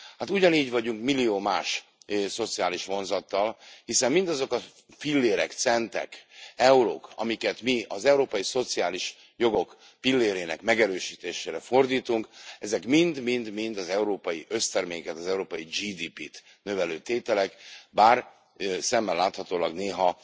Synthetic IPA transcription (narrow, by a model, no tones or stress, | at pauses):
hat̪uɟɒniːɟvɒɟuŋkmilːijoːmaːʃso̞t̪siaːliʃʋo̞nzɒt̪ːɒlhisɛmːind̪ɒzo̞kɒ | filːeːɾɛ̰kt̪sɛnt̪ɛ̰kɛulo̰ːkʰɒ̰mikɛt̪miɒzɛuɾoːpɒjiso̞t̪sijaːliʃ | jo̞ɡo̞k | pilːeːɾeːnɛ̰kmɛɡɛɾøːʃiːt̪eːʃeːɾɛfo̞rd̪iːt̪uŋkɛzɛkmind̪mind̪mind̪ɒzɛuɾoːpɒjiʔø̞st̪ɛrmeːkɛt̪ɒzɛuɾoːpɒjid͡ʒiːd̪iːpit̪ | nøvɛløːt̪eːt̪ɛlɛkbaːr | sɛmːɛlːaːt̪hɒt̪oːlɒɡneːɦɒ